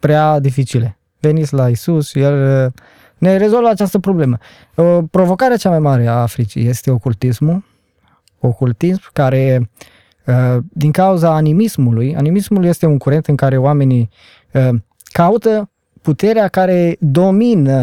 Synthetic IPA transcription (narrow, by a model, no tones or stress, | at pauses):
pɾead̪ifit͡ʃile | ve̞nit̪sʲlaisusje̞l | ne̞ɾe̞zo̞lvəat͡ʃast̪əpɾo̞ble̞mə | opɾo̞vo̞kaɾeat͡ʃamajmaɾe̞aːfɾit͡ʃḭje̞st̪e̞o̞kult̪ismu | o̞kult̪ismkaɾe̞ | əd̪iŋkauzaːnimismuluja̰nimismuluje̞st̪euŋkuɾe̞nt̪ɨŋkaɾe̞oame̞ni | ə | kaut̪ə | put̪e̞ɾeakaɾe̞d̪o̞minə